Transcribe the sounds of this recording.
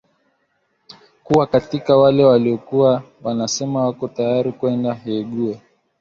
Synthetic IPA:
kuwakatikawalɛwaliɔkuwa | wanasɛmawakɔtajaɾikwɛndahɛɠuɛ

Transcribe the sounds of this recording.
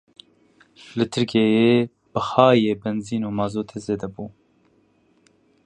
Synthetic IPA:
lɨt̪ʰɨɾkeːjeː | b̥ɨxɑːjeːbɛnziːnuːmɑːzoːt̪ʰeːzeːd̪ɛbuː

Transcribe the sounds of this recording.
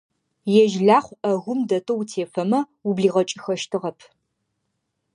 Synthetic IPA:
jɛʒɮaːχʷɐɣʷʊmdɐtʰʼowtʰeːfɐmɐ | ubliːʁɐt͡ʃʼɪxɐʃtʰɨʁɐpʰ

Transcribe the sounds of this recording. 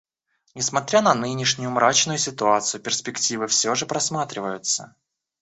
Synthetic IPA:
nʲɪsmɐt̪ɾʲanɐnɨnʲɪʂnʲʊjʊmɾat͡ɕnʊjʊsʲɪt̪ʊat̪sɨjʊpʲɪrspʲɪktʲivɨfsʲoʐɨpɾɐsmat̪ɾʲɪvəjʊt̪sə̰

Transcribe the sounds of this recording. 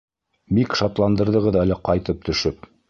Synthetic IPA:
bikʃɑt̪lˠɑnd̪ɤ̆ɾðɤ̆ʁɤðælɘqɑjt̪ɤp̚t̪ɵ̆ʃɵp̚

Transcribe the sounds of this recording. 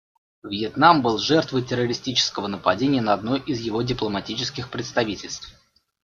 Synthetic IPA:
vjɪt̪nambɨlˠʐɛrt̪vəjtʲɪrəɾʲɪsʲtʲit͡ɕɪ̥skəvənəpɐdʲenʲɪjənəɐd̪no̞jʔɪzjɪvo̞dʲɪplˠəmɐtʲit͡ɕɪskʲɪxpɾʲɪt̪st̪ɐvʲitʲɪlʲst̪f

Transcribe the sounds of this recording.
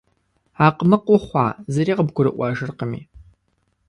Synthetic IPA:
aːqnɨqʷʊχʷɑ̰ːzɐɾiːqəbɡʷʊɾɨ̰ʔʷɑːʒɨrqəmḭː

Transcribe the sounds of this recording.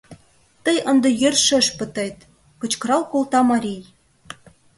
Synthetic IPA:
t̪əjʔə̆nd̪ɤ̆jørʃə̆ʃpə̆t̪ɤjt̪ | kɤ̆t͡ɕkɤ̆ɾɑlkolt̪ɑmɑɾʲij

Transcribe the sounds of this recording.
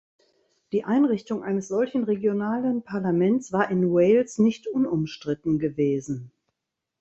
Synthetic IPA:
d̥iːʔaɪnʁɪçtʊŋʔaɪnəsz̥ɔlçn̩ʁeɡjonaːlənpʰaɐlamɛntt͡sv̥aːɐʔɪnwɛɪlsnɪçtʔʊnʊmʃtʁ̥ɪtn̩ɡəveːzn̩

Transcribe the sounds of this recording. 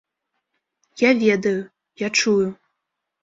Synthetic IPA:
javʲed̪ɐju | jat͡ʂʰuju

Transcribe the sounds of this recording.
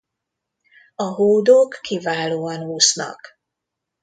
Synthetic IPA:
ɒɦoːd̪okːivaːloːɒnuːsnɒ̰k

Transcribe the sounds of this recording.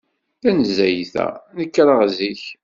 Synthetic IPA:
θænəzːæjθæ̰nəkːɾˤəʁziç

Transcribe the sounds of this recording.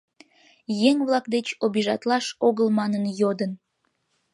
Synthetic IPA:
jeŋβlɑk̚d̪et͡ɕobiʒɑt̪lɑʃoɣəlmɑnənjod̪ən

